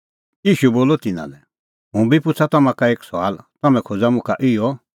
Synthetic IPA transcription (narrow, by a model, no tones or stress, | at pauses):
jiːʃuboːlɔt̪ɪnã̰lɛ | ɦũbipʊt͡sʰat̪ɔmãkaeːksɔa̰ːlt̪ɔmɛ̃kʰoːd͡zamʊ̃kʰaʔɪɔ